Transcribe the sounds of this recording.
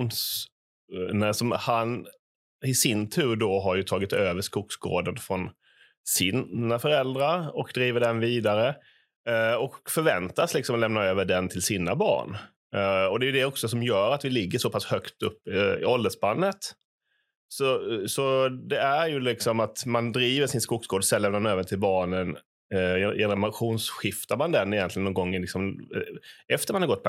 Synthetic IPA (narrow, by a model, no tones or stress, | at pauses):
ns | nəsɔmhan | ɪsɪnt̪ʰʉ̟ːɾɖɔɦaɾjɵt̪ʰɑːɡɪt̪øːvəʂkʊksɡo̰ːd̪ənfɾɔn | siːnafœɾɛld̪ɾaɾɔkd̪ɾiːvəɖɛnviːd̪aɾə | ɔkfœɾvɛnt̪aslɪksɔmlɛmnaɾøːvəɖɛnt̪ʰɪlsiːnabɑ̰ːɳ | ɔd̪ɛjɵd̪ɛɔksɔsɔmjœːɾat̪vɪlɪɡːəʂɔpʰashœkt̪ɵpːɪɪ̰ɔld̪əsbanːət̪ | sɔsɔd̪ɛæɾjɵlɪksɔmat̪mand̪ɾiːvəʂɪnskʊksɡoːd̪sɛlːɛmnamnøːvənt̪ʰɪlbɑːɳən | ɛnɛmaɧuːnsɧɪft̪aɾmand̪ɛnːɪjɛnt̪lɪənːɔŋɡɔŋːɪlɪksɔm | ɛft̪əɾmanhaɾɡɔt̪̚ːpʰ